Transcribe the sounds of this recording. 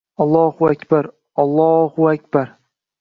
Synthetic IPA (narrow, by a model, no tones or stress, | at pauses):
ɑlˠːɒhʊakʲbaɾ | ɑlˠːɒhʊakʲb̥aɾ